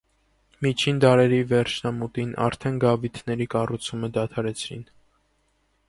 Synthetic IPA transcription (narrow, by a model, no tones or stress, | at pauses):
mit͡ʃʰind̪ɑɾɛɾivɛɾt͡ʃʰnɑmut̪inʔɑ̰ɾt̪ʰɛnɡɑvit̪ʰnɛɾikɑrut͡sʰuməd̪ɑt̪ʰɑɾɛt͡sʰɾḭn